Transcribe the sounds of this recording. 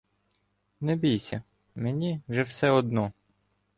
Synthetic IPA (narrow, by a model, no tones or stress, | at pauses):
nɛbʲijsʲɐ | menʲiʒɛwsɛɔd̪nɔ